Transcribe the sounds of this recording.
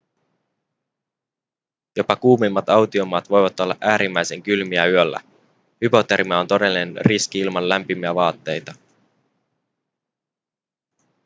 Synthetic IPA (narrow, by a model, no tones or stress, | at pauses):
jo̞pɑkuːmimːɑt̪ɑwt̪io̞mɑːt̪ʋo̞jʋɑt̪ːo̞lːɑʔæːɾimːæjse̞ŋkylmiæyølːæ̰ | hypo̞t̪eɾmiɑo̞nt̪o̞de̞lːinenrisk̟iilmɑnlæmpimiæʋɑːt̪ːe̞jt̪ɑ